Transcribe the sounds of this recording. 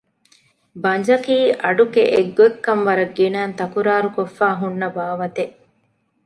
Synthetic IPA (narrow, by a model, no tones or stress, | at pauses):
bɐɲd͡ʒɐkiːʔɐɖukeʔeɡːoekːɐmʋɐɾɐɡːinaːnt̪ɐkuɾaːɾukofːaːɦunːɐbaːʋɐt̪eʔ